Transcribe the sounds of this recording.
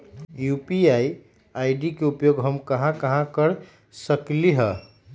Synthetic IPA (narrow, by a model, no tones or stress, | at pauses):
jupiai | ajɖikeupjoɡɦəmkəɦãkəɦãkəɾ | səkliɦə